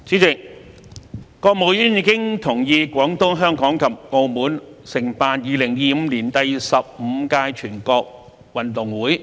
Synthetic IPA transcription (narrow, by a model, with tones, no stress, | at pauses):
t͡siː˨˥t͡sɪ˨k̚ | kɔː˧k̚mo˨˧wjyː˥njiː˨˧˥kɪ˥ŋt̪ʰʊ˨˩ŋjiː˧kʷɔː˨˥ŋt̪ʊ˥ŋɦœː˥ŋkɔː˨˥ŋkʰɐ˨p̚ŋo˧wmuː˨˥nsɪ˨˩ŋpaː˧n̚jiː˨˧lɪ˨˩ŋjiː˨˧m̩˧liː˨˩nt̪ɐ˨jsɐ˨p̚m̩˨˧kaː˧jt͡ʃʰyː˨˩nkɔː˧k̚ | wɐ˨˩nt̪ʊ˨˩ŋwuː˨˥j